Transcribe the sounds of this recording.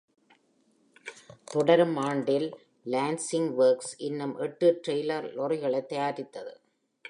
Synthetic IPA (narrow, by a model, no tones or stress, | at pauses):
t̪ɔɽɐɾmaːɳɖɪl | laːnsɪŋɡʋɐːɾksɪnːɯmʔɛʈːɯʈɾɐɪlɐɾlɔɾɐɪɣɐɭɐɪt̪ːɐjaːɾɪt̪ːɐðɯ